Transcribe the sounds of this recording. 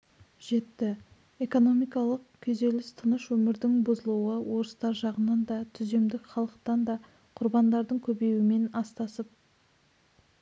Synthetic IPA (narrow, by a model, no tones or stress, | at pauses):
ʒ̥e̞t̪ːɪ | eko̞no̞mijkɑlˠəqkʲʰɵze̞lɪst̪ʰənəʃwɵmɪɾd̪ɪŋbʊzəlˠuwəwo̞ɾəst̪ɑɾʒɑʁənɑnd̪ɑt̪ʰʏze̞md̪ɪkχɑlˠəq̚t̪ɑnd̪ɑ | qʰʊɾbɑnd̪ɑɾd̪əɴkʲʰɵbe̞jwɪme̞nɑst̪ɑsəp̚